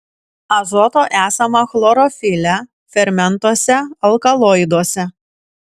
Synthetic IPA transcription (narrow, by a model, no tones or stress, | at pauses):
ɐzɔt̪oːʔæːsɐmɐxlˠɔɾɔfʲɪlʲæ | fʲɛɾʲmʲɛnˑt̪oɔsʲɛɐlˠkɐlˠɔɪd̪oːsʲɛ